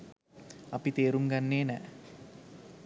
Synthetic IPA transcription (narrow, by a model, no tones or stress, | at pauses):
ɐpit̪eːɾuŋɡanːeːnɛ